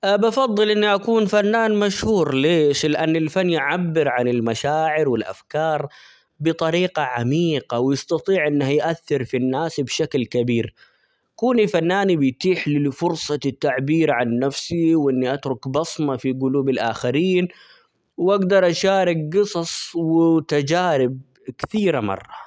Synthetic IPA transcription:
bɑfɑðˤːɨlʔɪnːiʔakuːnfanːaːnmaʃhuːɾleːʃlɪʔanːɪlfanːjʕabːɪɾʕanɪlmaʃaːʕɪɾwɪlʔa̰fkɑːɾˤ | bɨt̪ˤɑɾiːqɑʕamiːqawjɪst̪ɑt̪ˤiːʕʔɪnːahjʔaθːɪɾfinːaːsbʃaklkabiːɾ | kuːnifanːaːnibɪjt̪iːħlifʊɾsˤɑt̪ːaʕbiːɾʕanːafsiwʔɪnːiʔat̪ɾʊkbɑsˤmɑfiɡʊluːbɪlʔaːxaɾiːn | wʔaɡd̪ɑɾˤʔaʃaːɾɪk̚ɡɨsˤɑsˤwɪt̪ad͡ʒaːɾɪb̚ | kθiːɾamɑ̰rˤːɑ

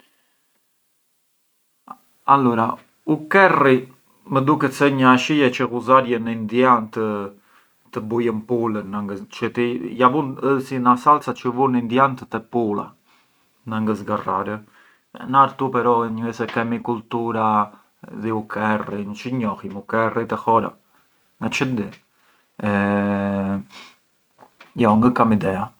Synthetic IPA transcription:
alɔɾa | ukɛri | məd̪ukɛt̪sɛɲəaʃijɛt͡ʃəkuzaɾjənəind̪jant̪ə | t̪əbujəmpulənaŋɡət͡ʃət̪ijavunəsinasalt͡sat͡ʃəvunind̪jant̪ət̪ɛpula̰ | naŋɡəsɡaraɾə | ɛ̰naɾt̪upɛɾɔɲuɛsɛkɛmikult̪uɾa | ðiukʰɛrint͡ʃəɲɔhimukɛrit̪ɛhɔɾa̰ | ŋɡat͡ʃənd̪ɛ | ɛ | jɔŋɡəkamid̪ɛa

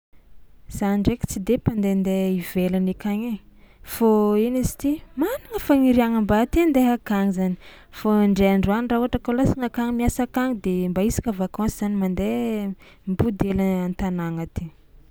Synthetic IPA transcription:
z̥aniɖ͡ʐeki̥t͡sid̪epand̪end̪eivelanekaɲefoinizi̥t̪imaniŋəfaŋiɾiaŋəmbat̪end̪eɦakaŋizani̥ | foɳɖ͡ʐeaɳɖ͡ʐuanirauaʈ͡ʂəkolasaŋakaŋimiasakaŋid̪embaisi̥kəvakɔ̃nsiz̥animand̪e | mbud̪eləant̪anaŋat̪i

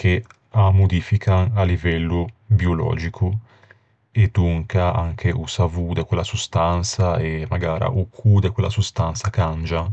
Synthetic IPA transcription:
kʰe | amːod̪iːfikʰanalivɛlːubiolɔ̰ːd͡ʒikʰu | ed̪uŋkaa̰ŋkʰeʔusavud̪ekwelːasust̪ant̪saemaɡaːɾa̰ʔukʰud̪ekwelʔasust̪ant̪sakand͡ʒa

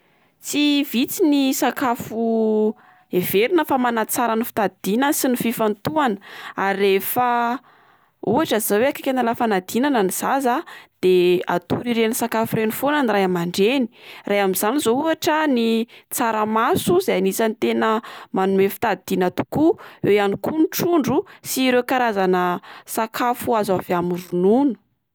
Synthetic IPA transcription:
t͡sivit͡sinisakafu | ev̥eɾinəfamanat͡saɾənifi̥t̪ad̪̥inəsinififant̪uanə̥aɾirefə | uaʈ͡ʂazzaweakḁkʲanalafanad̪̥inanəniz̥azad̪̥ea̰t̪uɾiɾenisakafurenifonanirajamaɳɖ͡ʐeni̥rajamiz̥anizouaʈ͡ʂənit͡saɾəmasuzaanisanit̪enəmanumefi̥t̪ad̪̥inat̪u̥kuewjanikunʈ͡ʂuɳɖ͡ʐusiɾekaɾazanəsakʰafuazaviamuɾununu̥

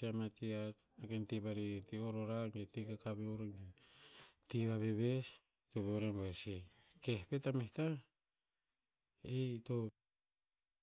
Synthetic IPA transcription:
iamatiat̚ | akentiβaɾitioɾoɾaetikakaβeuɾeŋe | tiβaβeβes | toβeowɾembese | kehpetamesta | ito

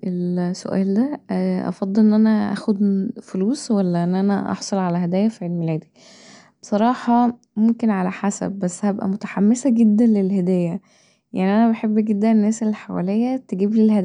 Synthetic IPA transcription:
ʔelso̰ʔæ̰ːld̪æʔɑ̰fɑd̪ˤːelʔenːʔænæʔæ̰ːxod̪foluːswælːæʔenːʔænæʔɑ̰ħsˤɑlʕalæɦæd̪æːjːæfiʕelmelæːd̪i | b̥esˤɑɾˤɑːħɑ | momkenʕalæħasæ̰b̚ːæsːhæbʔæ̰mot̪æ̥ħamːesæɡed̪ːænlelɦæd̪æːjːæ | jaʕniʔænæbeħebːɡed̪ːæenːæːselħawæ̰lejːæt̪eɡiːblelhæd̪æ

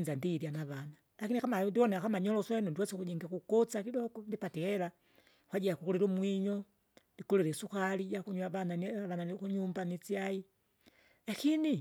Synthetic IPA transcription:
nzandiːɾjanaβana | lakinikamadiɔnɛakamaɲɔlɔswɛnundiwɛskud͡ʒiŋɡakukɔt͡sakidɔɡɔndipatiɛla | kwaɟɛjakukuliɾumwiɲɔ | ndikuliɾɛsuxalijakuɲwaβananaβananikuɲumbanit͡siai | lakini

